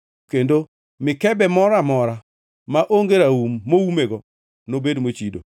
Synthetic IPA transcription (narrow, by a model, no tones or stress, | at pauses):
kendo | mɪkɛbɛmɔɾamɔɾa | maʔoŋɡeɾaumːowumeɡɔ | nobedmot͡ʃido̰